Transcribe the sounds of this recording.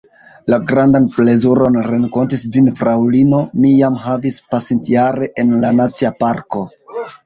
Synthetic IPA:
laɡɾandanple̞zuɾo̞nɾe̞ŋko̞ntisvinfɾawlino̞mijamɦavispasintaɾe̞ʔenlanat͡siapaɾko̞

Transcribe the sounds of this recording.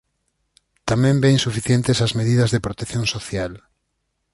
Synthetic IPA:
t̪amẽmbẽjŋ̃sufiθjent̪esazmeðiðɐzðepɾot̪ekθjõŋsoθjal

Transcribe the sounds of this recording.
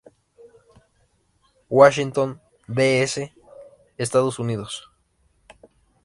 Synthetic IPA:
waʃ̬int̪on | beese | est̪aðosuniðos

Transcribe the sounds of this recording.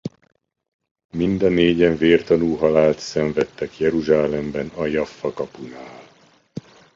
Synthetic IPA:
mind̪ɒneːɟɛɱveːrt̪ɒnuːɦɒlaːlt̪sɛɱvɛt̪ːɛkjɛɾuʒaːlɛmbɛnɒjɒfːɒkɒpunaːl

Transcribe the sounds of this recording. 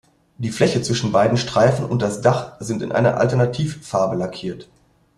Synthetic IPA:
d̥iːflɛçət͡sv̥ɪʃn̩baɪdn̩ʃtʁ̥aɪfn̩ʊ̰nt̚d̥asd̥aχz̥ɪntɪ̰nʔa̰ɪnɐ̰ʔa̰ltɛɐnatʰiːfːaɐbəlakʰiːɐt

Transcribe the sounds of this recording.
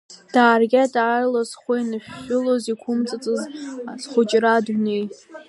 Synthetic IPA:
d̥aːrɡʲadʕarlozχʷejnɨʃᶣːʊlozikʷʰʊmt͡sʼat͡sʼɨzasχʷʊt͡ʃʼradnej

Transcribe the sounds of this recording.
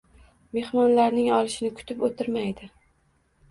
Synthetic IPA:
me̞hmɒnlaɾnɪŋɒlˠɪʃɪnɪkʰʊ̥t̪ʰɪpot̪ʰɪɾmajd̪ɪ

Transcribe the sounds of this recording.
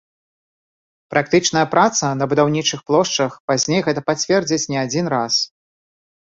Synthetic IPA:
pɾak̚t̪ɨt͡ʂnɐjɐpɾat̪sɐnɐbud̪awnʲit͡ʂɨxplˠɔʂt͡ʂɐxpazʲnʲejɣɛt̪ɐpat͡sʲvʲɛrd͡zʲit͡sʲnʲɛad͡zʲinɾas

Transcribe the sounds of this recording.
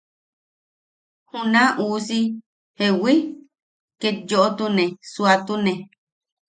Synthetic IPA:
hunãʔuːsi | hewi | kejoʔot̪unẽsuat̪unẽ

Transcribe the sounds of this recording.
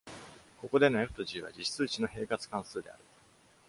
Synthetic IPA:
ko̞ko̞d̪e̞noekɯ̥t̪oʑiːβ̞a̰d͡ʑiɕt͡sɨːt͡ɕino̞he̞ːkat͡sɨ̥kãɰ̃sɨːd̪e̞a̰ɾɯ̟

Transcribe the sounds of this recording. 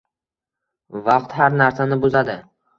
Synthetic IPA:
vɑqt̪haɾnaɾsanɪbʊzad̪ɪ

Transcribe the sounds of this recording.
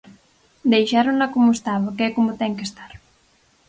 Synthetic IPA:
d̪ejʃaɾunakomʊest̪aβakeɛkomʊt̪ɛŋkest̪aɾ

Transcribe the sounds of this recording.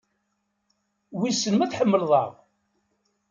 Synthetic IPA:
wisːənmæθħəmːəlðˤɑ̰ʁ

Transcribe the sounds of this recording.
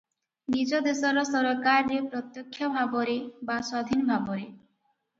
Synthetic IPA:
nid͡ʒɔd̪esɔɾɔsɔɾɔkaɾːepɾɔt̪jɔkʰːjɔbʱabɔɾebaswad̪ʱinbʱabɔɾe

